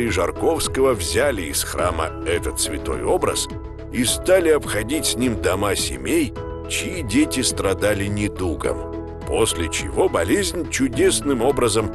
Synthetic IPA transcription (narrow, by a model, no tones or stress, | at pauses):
ɪʐɐrko̞fskəvəvzʲælʲɪɪsxra̰mə̰ɛt̪ət̪svʲɪ̰t̪o̞̰jo̞bɾə̰s | ist̪alʲɪɐpxɐdʲitʲsʲnʲimd̪ɐmasʲɪ̰mʲej | t͡ɕɪidʲetʲɪst̪ɾɐd̪alʲɪnʲɪd̪uɡə̰m | posʲlʲɪt͡ɕɪ̰vo̞bɐlʲezʲnʲt͡ɕʊdʲe̞snɨmo̞bɾəzəm